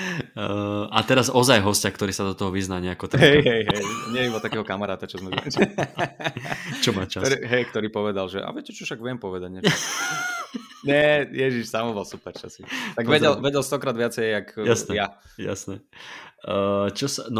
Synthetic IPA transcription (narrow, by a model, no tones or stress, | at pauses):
at̪ɛɾazɔzajɦɔscakt̪ɔɾiːsad̪ɔt̪ɔɦɔʋiznaːɲɛakɔt̪aɦɛjɦɛjɦɛjɲɪɛjibɔt̪ːakɛːɦɔkamaɾaːt̪at͡ʃɔzmɛza̰c | t͡ʃɔma̰t͡ʃaiɦɛjk̚t̪ɔɾiːpɔʋɛd̪alʒɛʔa̰ʋɪɛcɛt͡ʃɔfʃaɡʋɛmpɔʋɛd̪aɟɲɛ | ɲɛjɛʒiʃsamɔbɔlsupɛɾt͡ʃa̰sit̪aɡʋɛɟɛlʋɛɟɛlst̪ɔkɾaːd̪ʋɪat͡sɛjakjasnɛja | ja̰snɛ | t͡ʃɔsan